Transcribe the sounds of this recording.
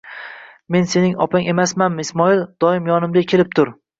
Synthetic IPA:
me̞nse̞nɪŋɒ̰pʰaŋʔe̞masmanmɪɪsmɒɪlˠd̪̥ɒɪmjɒnɪmd̪akʲʰelɪp̚t̪ʰʊɾ

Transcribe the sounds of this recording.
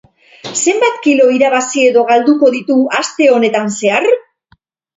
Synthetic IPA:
se̞mbat̪kilo̞iɾaβ̞asie̞ðo̞ɣald̪uko̞ðit̪uast̪e̞o̞ne̞t̪anse̞aɾ

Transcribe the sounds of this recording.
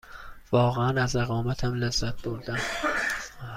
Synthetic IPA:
vɒːɣeænæzeɣɒːmæt̪ʰæmlæzːæt̪̚b̥oɾd̪æm

